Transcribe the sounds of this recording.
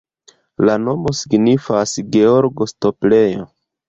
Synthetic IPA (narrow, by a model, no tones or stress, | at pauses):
lano̞mo̞siɡnifasɡe̞o̞ɾɡo̞sto̞ple̞jo̰